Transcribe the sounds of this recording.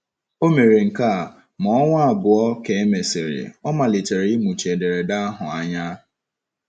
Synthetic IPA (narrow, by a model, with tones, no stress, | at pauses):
o˦me˨ɾe˨ŋ̩˨ka˦˨ | mɔ˦ŋʷa˦a˦˨bʊ˨ɔ˦ke˨e˦me˨sɪ˨ɾɪ̰˨ɔ˦ma˨lɪ˨te˨ɾi˦mu˨t͡ʃe˨de˨ɾe˨da˦a˦ɦʊ˨a˨ɲa˦